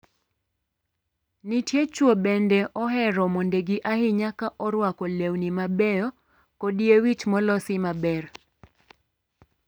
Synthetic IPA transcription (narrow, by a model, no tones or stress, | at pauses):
nitjet͡ʃwobɛndɛʔɔɦɛɾɔmondeɡiʔahɪɲakaʔɔɾwakɔlewnimabɛjɔ | kodiewit͡ʃmɔlɔsɪmabɛr